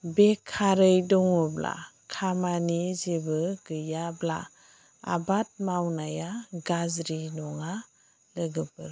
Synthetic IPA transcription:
bekʰːaɾɯjdɔŋɔbla̰kʰamanizebɯɡɯjabla̰ | a̰bat̚mawnajaɡazɾinɔŋa | lɯɡɯpɯɾ

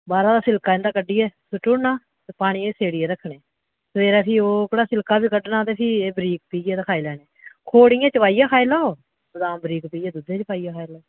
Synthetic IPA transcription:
baːɾãːd̪aːsɪlkaːɪ̃nd̪aːkəɖːiːɛːsʊʈːʊnaː | t̪eːpaːɽ̃iːeseːɽiːɛːɾəkʰːɳeː | sʋeːɾɛːpʰiːoːkəɽaːsɪlkaːbiːkəɖnaːt̪eːpʰiːeːbəɾiːkpiːd͡ʒɛːt̪akʰaːilɛːneːkʰoːɽĩːɛ̃ːt͡ʃəpaːijaːkʰaːɪlaːoː | səd̪ãːbɾiːkpiːɛːd̪ud̪eːt͡ʃəpaːijaːkʰaːɪlaːo

